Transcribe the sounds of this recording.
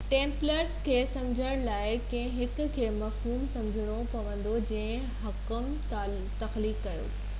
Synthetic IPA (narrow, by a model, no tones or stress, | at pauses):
ʈẽːmpləɾskʰeːsɐmd͡ʑʱəɽ̃laːɪkɐ̃ɦɪ̃ɦɪkʊ̆kʰeːmɐfɦuːmsɐ̃md͡ʑʱɪɽ̃opɐʋə̃nd̪od͡ʑɐ̃ɦɪ̃ | ɦɐkəm | t̪ɐxliːkːɐjo̰ː